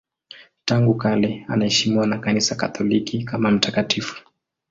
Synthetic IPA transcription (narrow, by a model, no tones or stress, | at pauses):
taŋɡukalɛa̰naɛʃimiwanakanisakat̪ɔlikikamam̩takatifu̥